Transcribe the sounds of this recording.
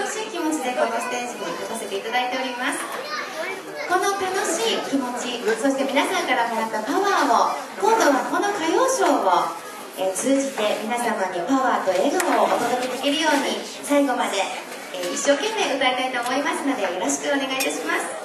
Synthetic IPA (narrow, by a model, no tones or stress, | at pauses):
oɕiːkʲimo̞t͡ɕid̪e̞ko̞noɕi̥t̪ẽɰsiɲiokase̞t̪eit̪ad̪ait̪e̞o̞ɾʲimasɨ̥ | ko̞no̞t̪ano̞ɕiːkʲimo̞t͡ɕiso̞ɕi̥t̪e̞mʲinasãŋkaɾamoɾat̪ːapaβaːokõ̞nd̪o̞βako̞no̞kajo̞ːɕo̞ːβo | et͡sɨːʑit̪e̞mʲinasamaɲ̟ipaβaːt̪o̞e̞ːɡaooʔot̪od̪okʲet̪ekʲiɾɯ̟jo̞ːɲ̟i | saiɡo̞mad̪e̞ | iɕːo̞ːkẽ̞mːe̞ːɯ̟t̪aɾet̪ait̪o̞ːmo̞imasɨno̞d̪e̞jo̞ɾo̞ɕi̥kɯ̟one̞ɡait̪aɕimasɨ̥